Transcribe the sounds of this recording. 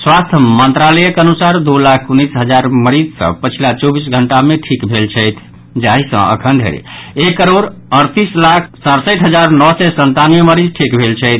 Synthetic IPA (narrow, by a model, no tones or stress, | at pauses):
swast̪ʰəmənt̪ɾalɛjəkənusaɾd̪ulakʰunisɦəd͡ʒaɾməɾid͡ʒsə̰̃pət͡ʃʰilat͡ʃɔbisɡʱəɳʈameʈʰikbʱelt͡ʃʰəjt̪ʰ | d͡ʒaɦisə̰̃ʔə̰kʰənd̪ʱḛɾ̰ekːəɾoɾəɾt̪islakʰsaɾsəjt̪ɦəd͡ʒaɾnɔsɛsənt̪anijeməɾid͡ʒʈʰikbʱelt͡ʃʰəɪt̪ʰ